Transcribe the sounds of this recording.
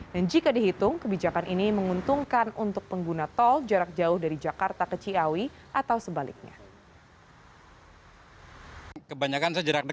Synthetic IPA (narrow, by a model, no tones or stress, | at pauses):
dand͡ʒikadiɦit̪ʊŋkəbid͡ʒakanʔiniməŋunt̪uŋkanunt̪ʊk̚pəŋɡunat̪ɔld͡ʒaɾak̚d͡ʒaʊhdaɾid͡ʒakart̪akət͡ʃiawi | ʔat̪awsəbalḭk̚ɲa̰ | kəbaɲakansad͡ʒəɾak̚nə